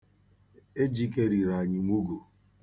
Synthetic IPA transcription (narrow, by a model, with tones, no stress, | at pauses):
e˦d͡ʒi˦ke˦ɾi˨ɾa˨ɲɪ˨mʷu˦ɡo˨